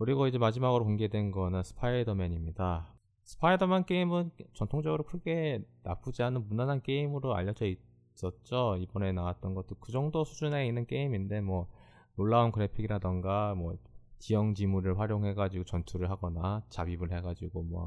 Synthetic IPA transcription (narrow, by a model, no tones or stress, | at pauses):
kɯɾiɡoid͡ʑe̞mad͡ʑimaɡɯɾokoŋɡe̞dwe̞nɡʌnɯnsʰɯ̥pʰaidʌmeɲimɲida | sʰɯ̥pʰaidʌmank͈e̞imɯnt͡ɕʌntʰoŋd͡ʑʌɡɯɾokʰɯɡe̞napʰud͡ʑianɯnmunanɦank͈e̞imɯɾoa̰ʎːʌd͡ʑʌi | s͈ʌt̚t͡ɕ͈oibʌne̞nawat̚t͈ʌnɡʌt͈̚okɯd͡ʑʌŋdosʰud͡ʑune̞inːɯnk͈e̞iminde̞mwʌ | noɭːaunkɯɾe̞pʰiɡiɾadɯnɡamwʌt͡ɕijʌŋd͡ʑimuɾɯɭɸwaɾjoŋɦe̞ɡad͡ʑiɡot͡ɕʌntʰuɾɯɭɦaɡʌnat͡ɕabibɯɭɦe̞ɡad͡ʑiɡomwʌ̰